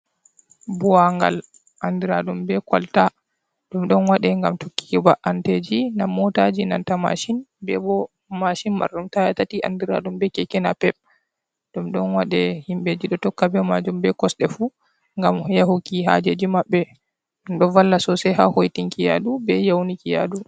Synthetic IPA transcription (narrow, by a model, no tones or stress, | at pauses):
buaŋɡa̰l | ʔandiɾaɗumbɛkwa̰lta | ɗumɗɔnwaɗɛŋɡamtokːi̥ibaʔanted͡ʒinamːɔtad͡ʒina̰ntama̰ʃinbɛ̰bɔ | maʃinma̰ɾɗumtajatatiʔa̰ndiɾa̰ɗumbɛkɛkɛnapɛp̚ | ɗumɗɔnwaɗɛhimbed͡ʒiɗɔtɔkːabɛmad͡ʒumbɛkɔsɗɛfu | ŋɡamjaɦukiɦa̰d͡ʒed͡ʒimabːɛ | ɗumɗɔnwalːasɔsɛɦa̰hojtiŋkija̰ɗubɛjawnikija̰ɗu